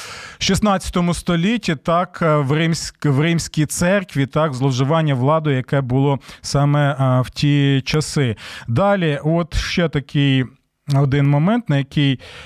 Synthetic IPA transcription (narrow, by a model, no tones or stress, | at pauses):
ʃisnɑt͡sʲɐ̥t̪ɔmʊst̪ɔlʲitʲːit̪ɑkwrɪmsʲwrɪmsʲkʲijt̪sɛrkʋʲit̪ɑkzlˠɔwʒʊʋɑnʲːɐʋlˠɑd̪ɔjjɐkɛbʊlˠɔsɑmɛwtʲit͡ʃɐsɪd̪ɑlʲiɔt̪ʃt͡ʃɛt̪ɐkɪj | ɔd̪ɪnmɔmɛnt̪nɐjɐkɪj